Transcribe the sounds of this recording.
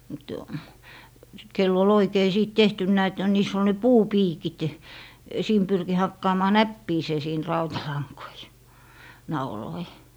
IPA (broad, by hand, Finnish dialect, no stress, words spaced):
mut kelː ol oikei siˑt tehtynːæˑ et niːs ol ne puːpiːkit siːm pyrki hɑkːɑːmɑː næpːiːseː siːn rɑutɑlɑŋkoi nɑuloi